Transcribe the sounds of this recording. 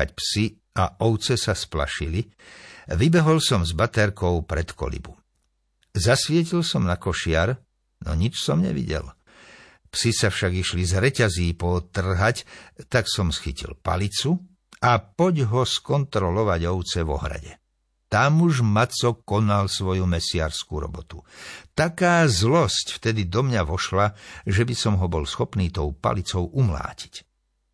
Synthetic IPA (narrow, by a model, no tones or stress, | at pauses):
a̰cpsi | aʔɔʊt͡sɛsaspla̰ʃili | ʋibɛɦɔlsɔmzbat̪ɛɾkɔʊpɾɛt̪kɔ̰lḭbu | zasʋɪɛc̬ilsɔmnakɔʃɪaɾ | nɔ̰ɲit͡ʃsɔmɲɛ̰ʋḭɟɛ̰l | psisafʃaɡiʃlizɾɛcaziːpɔt̪r̩ɦact̪aksɔmsxḭcḭlpa̰lit͡su | apɔɟɦɔskɔnt̪ɾɔlɔʋaɟɔʊt͡sɛʋɔ̰ɦɾa̰ɟɛ | t̪amuʒmat͡sɔkɔnalsʋɔjumɛsɪa̰ɾskuɾɔ̰bɔt̪ut̪akaːzlɔscft̪ɛd̪id̪ɔmɲaʋɔʃlaʒɛbisɔmɦɔbɔlsxɔpniːt̪ɔʊpa̰lit͡sɔʊʔumla̰ːci̥c